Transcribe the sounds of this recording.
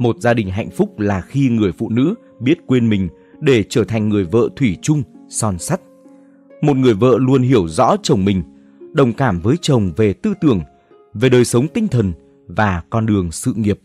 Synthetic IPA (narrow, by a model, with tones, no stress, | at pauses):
mo˨˩t̚zaː˧ɗï˨˩ŋ̟ɦa̰˧˨jŋ̟fʊ˦˥k͡p̚laː˨˩xi˧ŋɨ˨˩əjfṵ˧˨nɨ̰˧˥ | ɓi˦˥ət̚kwe˧nmï˨˩ŋ̟ | ɗe˧˩t͡ɕəː˧˩t̪ʰa˨˩ŋ̟ŋɨ˨˩əjvə̰ː˧˨t̪ʰwi˧˩t͡ɕʊ˧ŋ͡msɔ˧nsa˦˥t̚ | mo˨˩t̚ŋɨ˨˩əjvə̰ː˧˨lu˧ənɦi˧˩əwzɔ̰˧˥t͡ɕə˨˩wŋ͡mmï˨˩ŋ̟ | ɗə˨˩wŋ͡mkaː˧˩mvəː˨˦jt͡ɕə˨˩wŋ͡mve˨˩t̪ɨ˧t̪ɨ˧˩əŋ | ve˨˩ɗəː˨˩jsə˨˦wŋ͡mt̪ï˧ŋ̟t̪ʰə˨˩n | vaː˨˩kɔ˧nɗɨ˨˩əŋsɨ̰˧˨ŋi˨˩əp̚